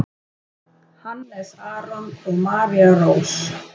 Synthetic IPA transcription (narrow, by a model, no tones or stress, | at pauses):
hanːɛsaːɾɔnɔɣmaːɾiaroːws